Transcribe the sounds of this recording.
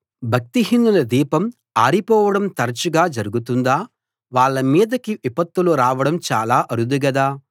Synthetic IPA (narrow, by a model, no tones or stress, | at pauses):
bʱɐk̚t̪iɦinːulɐd̪iːpɐm | aːɾipɔːʋɐɽɐmt̪ɐɾɐt͡ʃuɡaːd͡ʒɐɾuɡut̪und̪aː | ʋaːɭːɐmiːd̪ɐkiʋipɐt̪ːuluɾaːʋɐɽɐmt͡ʃaːlaːʔɐɾud̪uɡɐd̪aː